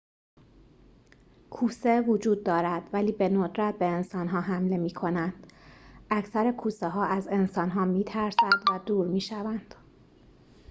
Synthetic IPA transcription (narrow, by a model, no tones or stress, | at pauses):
kʰuːsevod͡ʒuːd̪ːɒːɾæd̪̥væliːbe̞nod̪ɾæt̪̚be̞ːnsɒːnɦɒːɦæmle̞miːkʰo̞nænd̪̥ʔæcʰsæɾe̞kʰuːseɦɒːæze̞nsɒːnɦɒːmiːt̪ʰæɾsænd̪væd̪uːɾmiːʃævænd̪̥